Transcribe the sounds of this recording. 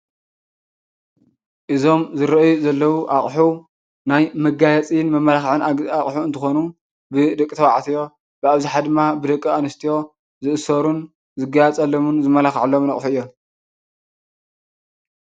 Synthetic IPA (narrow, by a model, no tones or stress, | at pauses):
ʔɨzo̞mzɨɾɐʔjuzɐlːɐwuʔaχʼħu | najmɐɡajɐt͡sʼijnmɐmːɐlaxʕɨnaχʼħuɨnt̪ʰɨxonu | bɨd̪ɐkʼːit̪ʰɐwaʕat̪ʰijo̞ | bɨaβziħad̪ɨmːabɨd̪ɐkʼːɨanɨst̪ʰijo̞ | zɨʔɨsɐɾun | zɨɡajɛt͡sʼɐlːomunzɨmɐlaxʕlːomnɐχʼħuɨjːo